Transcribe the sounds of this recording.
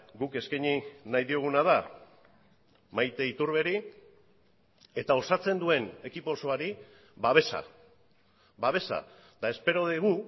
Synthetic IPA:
ɡuke̞skajɲinajðio̞ɣ̞unaða | majt̪e̞it̪uɾβe̞ɾi | e̞t̪ao̞sat͡se̞nd̪ue̞ne̞kipo̞so̞aɾi | βaβ̞e̞sa̰ | βaβ̞e̞sa̰ | d̪̥ae̞spe̞ɾo̞ðiɣu

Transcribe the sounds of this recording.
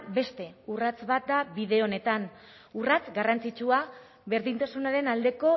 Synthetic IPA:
be̞st̪e̞urat͡sβat̪̚d̪aβiðe̞o̞ne̞t̪an | urat͡sɡarant͡sit͡ʃua | βe̞ɾðint̪asunaɾe̞nald̪e̞ko̞

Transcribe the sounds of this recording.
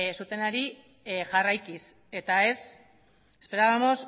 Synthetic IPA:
sut̪e̞naɾi | ʝarajkis | e̞t̪ae̞s | espe̞ɾaðamo̞s

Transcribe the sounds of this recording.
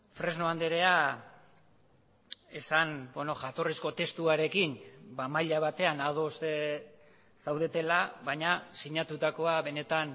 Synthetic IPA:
fɾe̞znoand̪eɾe̞a | e̞sanbono̞ʝat̪o̞risko̞t̪e̞st̪uaɾe̞kinbamajʎaβ̞at̪e̞anaðo̞st̪e | sawðe̞t̪e̞laβaɲasiɲat̪ut̪ako̞aβe̞ne̞t̪an

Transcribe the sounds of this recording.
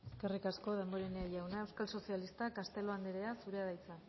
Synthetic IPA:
eske̞rikasko̞ð̞e̞mbo̞ɾeneaʝawnaewskalso̞sialist̪akast̪e̞lo̞aneɾe̞asuɾeaðajt͡sa

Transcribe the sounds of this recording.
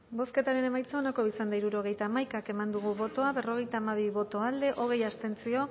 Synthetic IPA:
bo̞ske̞t̪aɾe̞ne̞majt͡saonako̞isand̪aiɾuɾo̞ɣ̞e̞jt̪aːmajkake̞mand̪uɣ̞uβo̞t̪o̞aβe̞ro̞ɣ̞e̞jt̪aːmaβ̞iβo̞t̪o̞ald̪e̞ʔo̞ɣ̞e̞jast̪e̞nt͡sio̞

